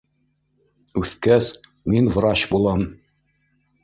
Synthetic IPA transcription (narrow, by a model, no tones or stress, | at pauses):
ʉθkæs | minvɾɑɕbulˠɑm